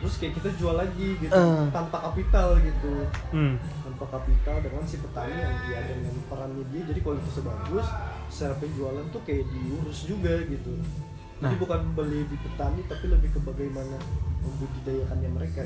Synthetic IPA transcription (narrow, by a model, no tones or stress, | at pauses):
t̪ɾʊskajaʔkit̪ad͡ʒualːaɡiɡitut̪ampakapit̪alɡit̪u | t̪ampakapit̪aldanmansipət̪aniantiadanŋjanpəɾanɲadiad͡ʒadikaloit̪usəbaɡʊs | səɾapəɲd͡ʒualant̪ukajaʔdiuɾʊsd͡ʒuɡaɡit̪u | d͡ʒadibukanbolɛdipət̪anit̪apiləbɪhkəbaɡajmanaməbudidajakanɲaməɾeka